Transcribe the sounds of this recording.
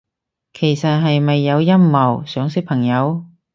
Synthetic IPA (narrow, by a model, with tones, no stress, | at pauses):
kʰe˨˩jsɐ˨t̚ɦɐ˨jmɐ˨jːɐ˨˧wjɐ˥mmɐ˨˩wsœː˨˥ŋsɪ˥k̚pʰɐ˨˩ŋjɐ˨˧w